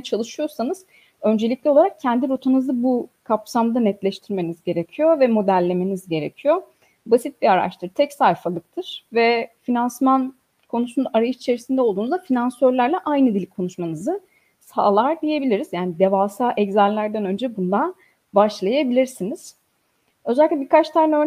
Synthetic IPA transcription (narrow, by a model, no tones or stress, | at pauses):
t͡ʃʰalˠɯʃɯjo̞sanɯz̥ | ø̞nd͡ʒe̞lʲic̚lʲɛo̞lˠaɾak̚cʰɛnd̪iɾot̪ʰanɯzabukʰapsamd̪anɛt̪lʲɛʃt̪ʰiɾme̞nizɟe̞ɾe̞cʰijo̞vɛmo̞d̪ælʲːe̞me̞nizɟe̞ɾecʰijo̞ | basit̪̚biaɾa̰ʃt̪ʰɯɾt̪ʰɛcsajfalˠɯk̚t̪ʰɯɾ̥vɛfinansman | kʰo̞nusunaɾajɯʃit͡ʃʰe̞ɾisind̪ɛo̞lˠd̪uːnzd̪afinansøɾlʲæɾlʲɛʔajnɯd̪ilʲkʰo̞nuʃmanɯzɯ | saːlˠaɾd̪ije̞bilʲiɾiz̥jaːnid̪evaːsaːʔɛɟzælʲːæɾd̪ænø̞nd͡ʒɛbund̪an | baʃlˠajabilʲiɾsiniz̥ | ø̞zɛlʲikʲlʲɛbiɾkʰat͡ʃt̪ʰaɾnɛø